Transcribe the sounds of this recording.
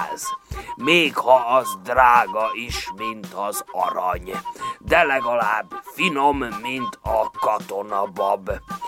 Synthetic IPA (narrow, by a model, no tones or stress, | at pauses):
zmeːkhɒɒzd̪raːɡɒiʃmint̪ɒzɒ̰ɾɒ̰ɲd̪ɛlɛɡɒlaːbfinomːint̪ʰɒkɒt̪onɒbɒb